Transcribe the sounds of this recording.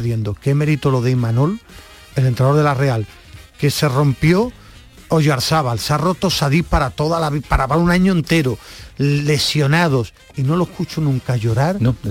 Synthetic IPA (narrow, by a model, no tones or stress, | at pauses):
ðje̞nd̪oke̞me̞ɾit̪olo̞ðeimanol | e̞le̞nt̪ɾaðoðe̞lare̞al | ke̞se̞ro̞mpjo̞ | oʝoaɾsaβalsaro̞t̪o̞saðipaɾat̪o̞ðalaβipaɾaβalunaɲoent̪e̞ɾole̞sjo̞nað̞o̞s | ino̞lohkut͡ʃunũŋkaʝo̞ɾaɾ